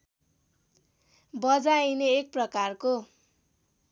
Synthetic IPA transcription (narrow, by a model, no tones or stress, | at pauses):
bʌd͡zajneːk̚prʌkarko